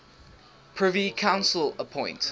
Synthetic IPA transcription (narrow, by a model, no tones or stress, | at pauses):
pʰɹ̥ɪvikʰãʊ̃nsələpʰɔ̃ɪ̃nt